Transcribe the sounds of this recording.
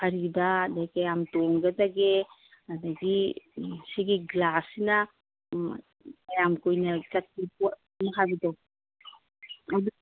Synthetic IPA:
ɐɾibadajkajamtɔŋɡɐdaɡe | ɐdaɡi | siɡiɡlasina | kajamkojnɐkat̚iput̚ | nakʰabidɔ | adu

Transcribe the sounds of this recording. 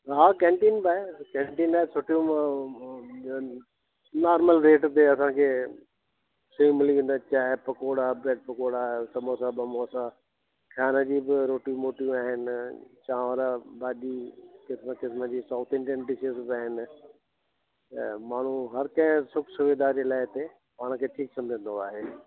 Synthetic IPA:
ɦaːkɛ̃ːɳʈiːnbaːekɛ̃ːɳʈiːnaːɦesʊʈijũ | naːɾməlɾeːʈt̪eɐsãːkʰeː | sɐĩmɪliʋẽnd̪at͡ɕaːɦepɐkoːɽaːbɾeːɖ̚pɐkoːɽaːsɐmoːsãbɐmoːsãː | kʰjaːnəd͡ʑiːbɪɾoːʈijũmoːʈijũaːɦɪnɪt͡ɕãːʋəɾabaːɗiːkɪsməkɪsməd͡ʑiːsaːt̪ʰẽːɳɖijənɖɪsəsbɪaːɦɪnɪ̆ | maːɳ̤ũɦɐɾkɐ̃ɦɪ̃sʊkʰsʊʋeːd̪aːɾd͡ʑelaːɪt̪e | maːɽ̃kʰeːʈʰiːksɐ̃md͡ʑʱə̃nd̪oaːɦeː

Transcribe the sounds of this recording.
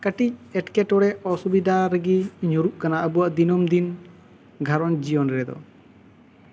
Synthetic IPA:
kaʈic̚ɛʈkɛʈɔɽɛɔsubid̪ʱaɾəɡiɲuɾuʔkanaʔəbuwaʔd̪inɔmd̪in | ɡʱaɾɔnd͡ʒijɔnɾɛd̪ɔ̰

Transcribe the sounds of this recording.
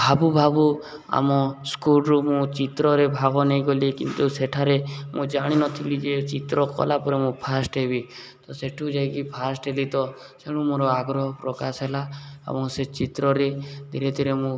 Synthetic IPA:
bʱabubʱabu | a̰mɔskulɾumũt͡ʃit̪ɾɔɾebʱaɡɔnejɡolikḭnt̪useʈʰaɾemũd͡ʒaɽ̃inɔt̪ʰilid͡ʒet͡ʃit̪ɾɔkɔ̰lapɔɾemũpʰasʈɦebit̪ɔseʈʰud͡ʒajkipʰasʈɦelit̪ɔ | seɽ̃ũmoɾɔaɡɾɔɦɔpɾɔkasɦelaḛbɔŋset͡ʃit̪ɾɔɾed̪ʱiɾed̪ʱiɾemũ

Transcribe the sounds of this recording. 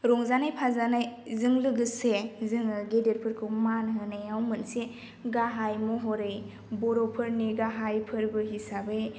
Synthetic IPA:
ɾɔŋzanajpʰazanajzɯŋlɯɡɯsezɯŋɯɡedeɾpʰɯɾkʰɯmanɦɯnajawmɯnse | ɡaɦajmɔɦɔɾɯj | bɔɾɔpʰɯɾniɡaɦajpʰɯɾbɯɦisabɯj

